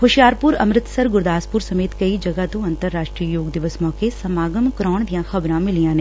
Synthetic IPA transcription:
hoʃijaːɾpuɾɐmɾɪt̪sɐɾɡʊɾd̪aːspʊɾsɐmeːt̪kɐid͡ʒɐɡat̪õɐ̃nt̪əɾːaːʃʈɾijəjoːɡd̪ɪʋəsmɔːkesɐmaːɡəmkɾɔːɳ̃d̪ijãxɐbɾãmɪlijãːnẽ

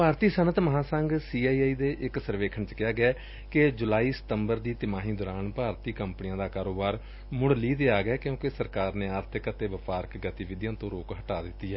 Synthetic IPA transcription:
paːɾt̪iːsənət̪məɦãːsə̃ŋɡsiːaːiːaːiːd̪eːʔɪksəɾʋeːkʰəɳt͡ʃkɪjaːɡɛː | ked͡ʒʊlaːiːsə̥t̪əmbəɾd̪iːt̪ɪmaːɦĩːd̪ɔːɾaːnpaːɾt̪iːkəmpniãːd̪aːkaːɾoːbaːɾ | mʊɽliːd̪eːaːɡɛːkjõːkesəɾkaːɾneːaːɾt̪ʰɪkət̪eːʋəpaːɾəkɡət̪iːʋɪd̪jãːt̪õːɾoːkɦəʈaːd̪ɪt̪ːiːɛː

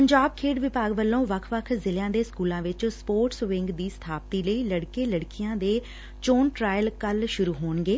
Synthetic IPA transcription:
pəɲd͡ʒaːb̚kʰeːɖʋɪpaːɡʋəlːõːʋəkʰʋəkʰzɪljãːd̪eːskuːlãːʋɪt͡ʃspoːɾʈsʋɪŋɡd̪iːsə̥t̪ʰaːp̚t̪iːləiːləɽkeːləɽkɪjãːd̪eː | t͡ʃoːnʈɾaːjəlkəlʃʊɾuːɦoːnɡeː

